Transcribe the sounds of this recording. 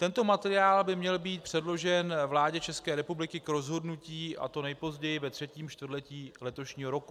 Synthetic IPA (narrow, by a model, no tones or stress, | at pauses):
t̪ɛnt̪o̞mat̪ɛɾɪaːlbɪmɲɛlbiːt̪̚pr̥ɛdlo̞ʒɛnvlaːɟɛt͡ʃɛskɛːɾɛpublɪkɪkɾo̞zɦo̞dnuciːʔa̰t̪o̞nɛjpo̞zɟɛjɪvɛt̪r̝̥ɛciːmt͡ʃt̪vrlɛciːlɛt̪o̞ʃɲiːɦo̞ɾo̞ku